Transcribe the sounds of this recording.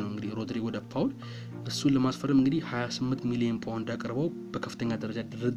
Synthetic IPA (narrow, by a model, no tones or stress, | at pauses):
nəwɨŋɡɨd̪ihɾo̞d̪ɾewɔd̪apːawl | ʔɨsːuləmasfəɾəmɨŋɡɨd̪ihhajasɨmːɨnt̪milijenpʰʼawnd̪akʼəɾbəw | b̥əkʰə̥fːɨt̪ʰəɲːad̪əɾəd͡ʒad̪ɨɾɨd̪